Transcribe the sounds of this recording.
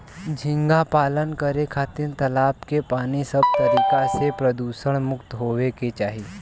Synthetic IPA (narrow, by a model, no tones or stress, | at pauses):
d͡ʒʱĩŋɡapaːlənkəɾekʰat̪iːnt̪ɐlaːp̚kepaːñisəb̚t̪əɾiːkasepɾəd̪uːsəɳ̃mʊkt̪ɦoʋeket͡ʃaːɦi